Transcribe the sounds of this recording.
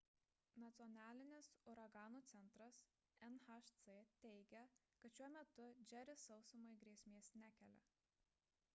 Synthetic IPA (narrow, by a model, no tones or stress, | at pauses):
nɐt̪sʲɨɔnʲæːlʲɪnʲɪsʊɾɐɡɑːnuːt̪sʲɛnˑt̪ɾɐs | ɛnxɐʃt̪set̪ʲɛɪɡʲɛ | kɐt̪ʃʲuɔmʲɛt̪ʊd͡ʒʲɛɾʲɪsɒʊsʊmɐɪɡɾʲiɛsʲmʲeːsnʲækʲɛlʲɛ̰